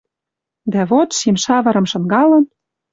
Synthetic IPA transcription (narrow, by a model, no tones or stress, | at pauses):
d̪æβot̪ʃimʃɑβɤ̆ɾɤ̆mʃɤ̆ŋɡɑlɤ̆n